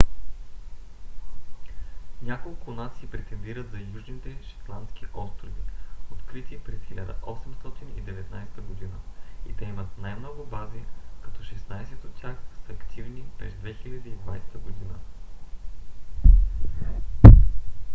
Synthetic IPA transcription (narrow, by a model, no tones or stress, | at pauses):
nʲakolˠkʊːd̪nat̪sipɾɛt̪ɛnd̪iɾət̪zɐjuʒnit̪ɛʃi̥t̪lˠant̪sk̟ʲiʔɔst̪ɾʊviot̪kɾit̪ipɾɛsxilʲad̪ə̰ʔɔsɛmst̪ɔt̪inḭd̪ɛvɛt̪najsɛ̥t̪əɡod̪inəḭt̪ɛimət̪najmnɔɡʊbazikɐ̥t̪ɔʃɛsnajsɛt̪ot̪ːʲjaxsəɐkt̪ʰivnipɾɛ̰zd̪vɛxilʲɐd̪iid̪va̰jst̪əɡod̪inə̰